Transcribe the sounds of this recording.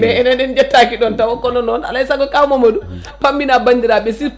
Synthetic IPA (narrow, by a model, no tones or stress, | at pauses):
mɛɛnɛnɛnd͡ʒɛtːakiɗɔntawɔkːɔnɔnɔna̰laisaɡɔkʼawmɔmoɗu | pambinabandiɾaɓɛsi